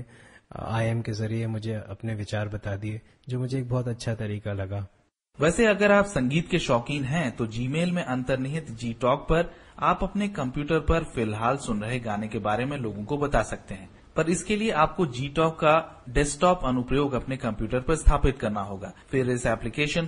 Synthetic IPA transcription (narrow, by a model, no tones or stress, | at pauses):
a̰ːɛmkezɐɾiemʊd͡ʒʱeɐ̰pneʋɪt͡ʃaːɾbɐt̪aːd̪ie | d͡ʒoːmʊd͡ʒʱeːk̚bɔːt̪ɐtːʃʰat̪ɐɾiːkalɐɡaː | ʋɛːseɐɡəɾaːpsɐ̃ŋɡiːt̪keʃɔːkɪ̃ŋɦɛ̃t̪od͡ʒiːmeːlmẽʔɐ̃nt̪əɾnɪɦɪt̪d͡ʒiːʈɔːk̚pɐɾaːpɐpnekɐ̃mpjuːʈəɾpɐɾfɪlɦaːlsʊnɾɐɦeɡaːnekebaːɾemẽloːɡõkobɐt̪asɐk̚t̪eɦɛ̃ː | pɐɾɪskelieʔaːp̚kod͡ʒiːʈɔːkːaɖɛsʈɔːpɐnʊpɾəjoːɡɐpnekɐ̃mpjuːʈəɾpɐɾɪst̪ʰaːpɪt̪kɐɾnaɦoːɡaːfɪɾɪsɛːplɪkeːʃən